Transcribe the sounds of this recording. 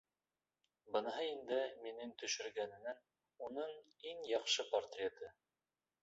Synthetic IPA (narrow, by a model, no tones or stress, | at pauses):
bɤ̆nɑɦɤind̪ɘminɘŋt̪ɵ̆ʃɘ̆ɾɡænɘ̆næn | unɤɴiŋjɑχʃɤpɐrt̪rʲet̪ɤ